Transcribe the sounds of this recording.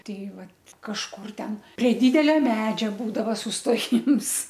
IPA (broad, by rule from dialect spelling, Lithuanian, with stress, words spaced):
ˈtʲɛɪ ˈʋɐt kɐʃˈkʊr ˈtʲɛn pʲrʲiɛ ˈdʲɪdʲɛlʲɛ ˈmʲæːd͡ʒʲɛ ˈbuːdɐʋɐ sʊsˈtoːjɪms